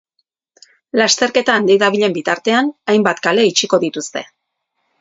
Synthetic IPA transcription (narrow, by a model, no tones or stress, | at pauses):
last̪e̞ɾke̞t̪aːnd̪iðaβ̞iʎe̞mbit̪aɾt̪e̞anajmbat̪kale̞it͡ʃiko̞ðit̪ust̪e̞̰